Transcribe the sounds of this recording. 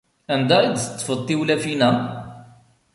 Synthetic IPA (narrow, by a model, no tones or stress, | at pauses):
ænd̪æid̪θət̪ˤːfəd̪ˤt̪ːiwlæfinæ